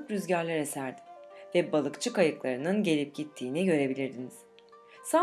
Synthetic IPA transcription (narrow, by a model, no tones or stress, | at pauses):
ɯkɾyzɟaɾlʲeɾɛsæɾd̪ɪvɛbalˠɯkt͡ʃʰɯkajɯklˠaɾɯnɯnɟe̞lʲip̚ɟ̥it̪ʰːiːniɟø̞ɾe̞bilʲiɾd̪iniz̥ | sa